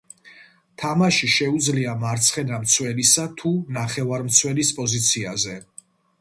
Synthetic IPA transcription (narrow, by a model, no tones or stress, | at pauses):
t̪ʰamaʃiʃɛud̪zliamaɾt̪sʰχɛnamt̪sʰwɛlisat̪ʰunaχɛvaɾmt̪sʰwɛlispʼɔzit̪sʰiazɛ